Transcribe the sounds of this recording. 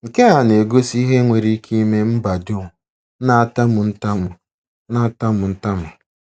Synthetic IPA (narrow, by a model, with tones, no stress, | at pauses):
ŋ̩˨ke˦ɦa˨ne˨ɡo˦si˦ɦe˦ŋʷe˨ɾi˦kʰi˦me˦m̩˦ba˨dʊ˦˨ | na˦ta˦mʊ˨n̩˦ta˦mʊ˨ | na˦a˦ta˦mʊ˨n̩˦ta˦mʊ˨